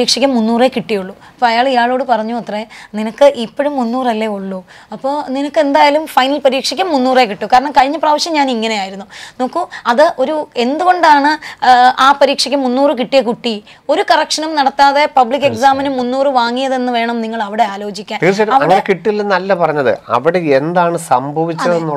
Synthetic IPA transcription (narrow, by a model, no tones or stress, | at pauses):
iːkʂɐk̬ʲːɐmːunːuːrekiʈːijuɭːu | ɐpːoːɐjaːɭijaːɭo̞ːɽɨpɐrɐɲːuɐt̪re̞ninɐkːɨʔipːo̞ɻumːunːuːrɐlːeuɭːu | ɐpːo̞ːninɐkːe̞nd̪aːjaːlumfɐjnɐlpɐɾiːkʂɐkʲːɐmːunːuːrekiʈːukːaːɾɐɳɐmkɐɻiɲːɐpraːʋɐɕjɐmɲaːniŋːɐne̞jaːjiɾunːuno̞ːkːuɐðɨʔo̞ɾue̞nd̪uɣo̞ɳɖaːɳɨaːpɐɾiːkʂɐk̬ʲːɐmːunːuːrɨk̬iʈːijekuʈːi | o̞ɾukɐrɐkʂɐnumnɐɽɐt̪ːaːðe̞pɐblik̬ːe̞ksaːmɐnumːunːuːrɨʋaːŋːijɐðe̞nːɨʋe̞ːɳɐmniŋːɐɭɐʋiɽe̞aːlo̞ːd͡ʑikʲːaːnt̪iːrt͡ɕːɐɾɐʋɐŋːɐnekiʈːilːɐnɐlːɐpɐrɐɲːɐðɨ̰ɐ̰ʋiɽeend̪aːɳɨsɐmbʱɐʋit͡ɕːɐðenːu